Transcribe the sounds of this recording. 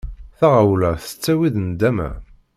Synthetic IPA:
θaʁawlæθət͡sːæwiðnd̪æmæ̰

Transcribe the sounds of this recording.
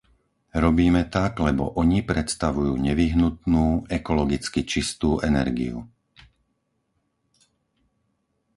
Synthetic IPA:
ɾɔbiːmɛt̪aɡlɛbɔ̰ʔɔɲipɾɛt̪st̪aʋujuːɲɛʋiɦnut̪nuːɛkɔlɔɡit͡skit͡ʃist̪uːʔɛnɛ̰ɾɡḭṵ

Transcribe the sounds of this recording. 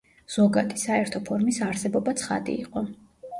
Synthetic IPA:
z̥ɔɡat̪ʰi̥saɛɾt̪ʰɔpʰɔɾmisaɾsɛbɔbat̪sʰχa̰d̪ḭḭqʼɔ

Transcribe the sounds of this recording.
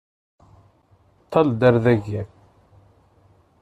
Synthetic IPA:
t̪ʰːɑld̪æɾðæʝæɾ

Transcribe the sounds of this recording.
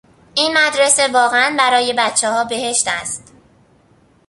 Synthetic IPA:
ʔiːnmæd̪ɾe̞se̞vɒːɣeænbæɾɒːje̞bæt̪t͡ʃʰːɛhɒːbe̞he̞ʃt̪æst̪

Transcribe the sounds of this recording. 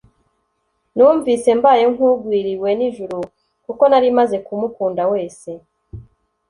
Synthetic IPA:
nuːɱvise̞mbaːjo̞ŋ̥uɡwiːɾiwe̞niʒuɾu | kuko̞naɾimaze̞kumukuːndawe̞ːse̞

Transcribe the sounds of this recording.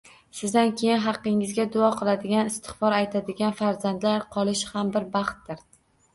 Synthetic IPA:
sɪzd̪ankʲʰe̞jɪnɦɑqːɪŋɪzɡʲad̪ʊɒqʰɨlˠad̪ɪɡʲanɪst̪ʰɪ̥χbɒɾajt̪ʰad̪ɪɡʲanfaɾzand̪laɾqʰɒlˠɪʃhambɪɾbɑχt̪̚d̪ɪɾ

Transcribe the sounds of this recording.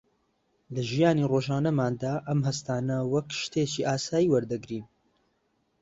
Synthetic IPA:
lɨʒijaːniːroːʒaːnɐmaːnd̪aʔɐmɦɐst̪aːnɐwɐkʃt̪eːt͡ʃiːʔaːsaːjiːwɐɾd̪ɐɡɾiːn

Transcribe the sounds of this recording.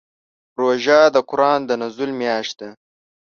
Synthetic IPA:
ɾoʒad̪əkʊɾɑːnd̪ənɐzulmjɑːʃt̪̚d̪a

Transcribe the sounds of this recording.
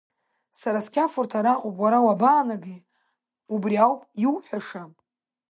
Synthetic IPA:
saɾaskʲafurtʰaɾaqʼupʼwaɾawabaːnaɡi | ubriawpʼjiwħʷaʂam

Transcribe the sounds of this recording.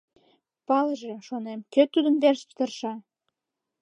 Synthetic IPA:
pɑləʒeʃonemkøt̪ud̪ənβerʃpt̪ərʃɑ

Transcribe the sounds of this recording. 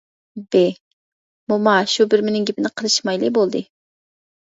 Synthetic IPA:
be | mumɑʃubɪɾmɪnɪŋɡʲɪpʰɪnɪqʰəlˠɨʃmɑjlˠɨbolˠd̪ɨ

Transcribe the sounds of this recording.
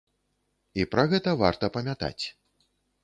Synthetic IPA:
ipɾɐɣɛt̪ɐva̰rt̪ɐpɐmʲat̪a̰t͡sʲ

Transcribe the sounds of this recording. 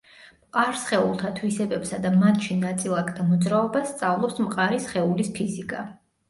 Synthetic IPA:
mqʼaɾsχɛulˠt̪ʰat̪ʰwisɛbɛpsad̪amat̪ʰʃinat̪sʼilˠakʰt̪ʰamɔd̪zɾaɔbast̪sʼavlˠɔpsmqʼaɾisχɛulispʰizikʼa

